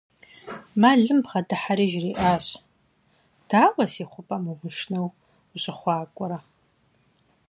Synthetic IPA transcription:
maːɮɨmbʁɐdɨħaɾiːʒriːʔaːɕ | d̥aːwʷɐsiːχʷʊpʼɐmumʷʊʃnɐw | ʊɕʼɪχʷɑːkʷʼʊɾɐ

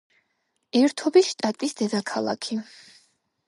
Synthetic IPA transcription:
ɛɾt̪ʰɔbiʃt̪ʼat̪ʼisd̪ɛd̪akʰalˠa̰kʰi

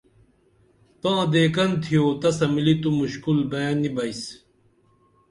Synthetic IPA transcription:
t̪ãːd̪eːkɐnt̪ʰijoːt̪ɐsɐmilit̪umuɕkulbɐjaːnːibɐjs

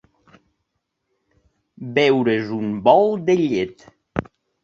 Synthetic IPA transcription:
bɛwɾezumbɔlˠd̪eʎet̪

